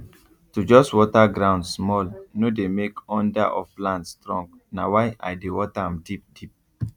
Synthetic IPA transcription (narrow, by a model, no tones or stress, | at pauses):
tud͡ʒɔstwɔtaɡɹãʊ̃ndsmɔlnodemekɔ̃ndaʔɔflãndstɹɔ̃ŋɡ | nawaɪʔa̰ɪdewɔtaãmdip̚d̥ip̚